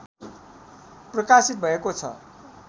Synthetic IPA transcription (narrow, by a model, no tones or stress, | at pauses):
prʌkasit̪̚bʱʌekot͡sʰʌ̰